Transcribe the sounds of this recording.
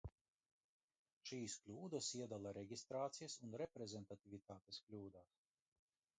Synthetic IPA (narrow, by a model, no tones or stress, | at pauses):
ʃiːsklʲuːd̪asiɛd̪alˠaɾɛɡʲist̪ɾaːt̪sijasunɾɛpɾɛzʲɛnt̪at̪ʲivʲit̪aːt̪esklʲuːd̪aːs